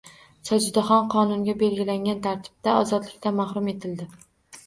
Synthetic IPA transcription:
sɒd͡ʒɪd̪aχɒnqʰɒnʊŋɡʲabe̞lɡʲɪlaŋɡʲant̪ʰaɾt̪ʰɪ̥b̚t̪aɒzɒd̪lɪkʲt̪anmaχɾʊme̞t̪ʰɪld̪ɪ

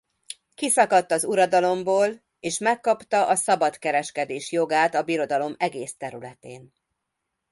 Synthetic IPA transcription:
kisɒkɒt̪ːɒzuɾɒd̪ɒlo̞mboːl | eːʃmɛkːɒpt̪ɒʔɒsɒbɒt̪kɛɾɛʃkɛd̪eːʃjo̞ɡaːt̪ɒbiɾo̞d̪ɒlo̞mɛɡeːst̪ɛɾylɛt̪ḛːn

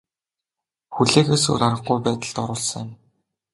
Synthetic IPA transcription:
xuɮeːxeːsɵ̰ɾaɾə̆χɡujpæːt̪ə̆ɮt̪ɔɾʊːɮsə̆ŋɪ̆m

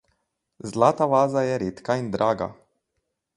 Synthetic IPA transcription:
zlaːt̪aʋaːzajɛɾeːt̪kaind̪ɾaːɡa̰

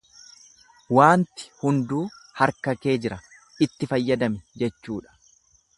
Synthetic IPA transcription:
waːnt̪ɪ̥hʊnd̪uːhɐɾkɐke̞ːd͡ʒɪɾɐ | ɪt̪ːɪfɐjːɐd̪ɐmɛd͡ʒɛt͡ʃːuːᶑɐ̥

